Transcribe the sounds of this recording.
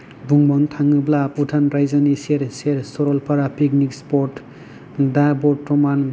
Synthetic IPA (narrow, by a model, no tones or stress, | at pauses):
buŋbɔntʰaŋɯblaputʰanɾajzaniseɾseɾsɔɾɔlpʰaɾapik̚nikspɔɾt | dabɔtːɔman